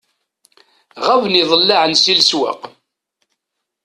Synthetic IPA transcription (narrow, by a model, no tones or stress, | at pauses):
ʁævniðˤəlːaʕənsilswa̰q